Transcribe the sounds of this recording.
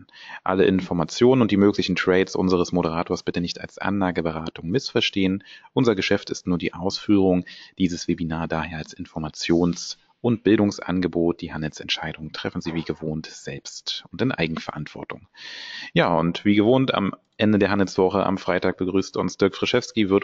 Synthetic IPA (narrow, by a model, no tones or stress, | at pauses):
ʔa̰ləʔɪnfɔɐmat͡sjoːnənʊntd̥iːmøːklɪçn̩tʁ̥ɛɪsʔʊ̰nzəʁ̞əsmoɾəʁ̞aːtʰoːɐsb̥ɪtənɪçta̰lsʔa̰nlaːɡəbəʁaːtʊŋmɪsfɛɐʃteːənʔʊnzɐɡəʃɛftɪstnuːɐdiːʔaʊsfyːʁ̞ʊŋd̥iːzəsv̥ebinaːɐdaːheːɐalsɪnfɔɐmat͡sjoːns | ʔʊnt̚b̥ɪldʊŋsʔa̰nɡəboːt̚d̥iːhandl̩sɛntʃaɪdʊŋəntʁ̥ɛfn̩ziːviːɡəvoːntz̥ɛlpstʊntɪnʔa̰ɪɡŋ̩fɛɐʔantv̥ɔ̰ɐtʊ̰ŋjaːʊ̰ntv̥iːɡəvoːnta̰m | ʔɛndədeːɐɦandl̩sv̥ɔχəʔa̰mfʁ̥aɪtaːk̚b̥əɡʁyːstʊnsd̥ʏɐkfʁ̥ɪʃɛfskivɪɐt